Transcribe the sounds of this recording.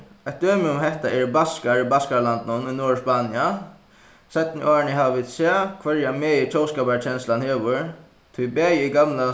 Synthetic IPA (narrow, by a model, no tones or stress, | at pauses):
at̪̚d̪øːmɪʊmhɛht̪aʔɛɾbaskaɹbaskaɾlant̪nʊnʊnɔːɹspaːnɪa | sɛt̪nɪʔɔːɹnɪɦaːʋaʋiːd̪sɛːkʰʋɛɾjamɛːjɪt͡ʃʰɔːwskaːpaɹt͡ɕʰɛnst̪lanheːʋʏɹ | t̪ʰʊjbɛːjɪiɡamla